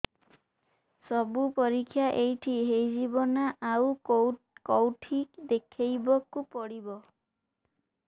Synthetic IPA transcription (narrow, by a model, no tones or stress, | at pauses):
sɔbupɔɾikʰːjaʔejʈʰiɦejd͡ʒibɔnaʔaw | kɔwʈʰikd̪ekʰejbɔkupɔɽibɔ